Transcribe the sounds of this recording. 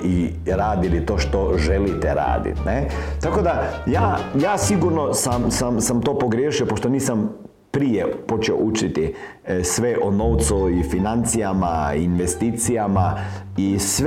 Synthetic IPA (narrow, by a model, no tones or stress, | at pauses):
i | ɾaːd̪ilit̪oːʃt̪oʒelit̪ɛɾa̰ːd̪ḭt̪net̪ako̞d̪ajaːjaːsiɡuɾnosamsamsamt̪oːpo̞ɡɾjeːʃiopoʃt̪oniːsam | pɾijepo̞t͡ʃɛo̰ʔut͡ʃit̪i | sʋeʔonoːwt̪suifinant̪sijamainʋest̪iːt̪sijama | is